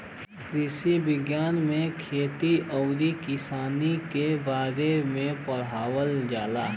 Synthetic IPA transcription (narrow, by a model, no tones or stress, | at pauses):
kɾɪsibɪɡjaːnmẽkʰeːt̪iʔɔʊɾikɪsaːnikebaːɾemẽpɐɽ̤aːwəld͡ʒaːlaː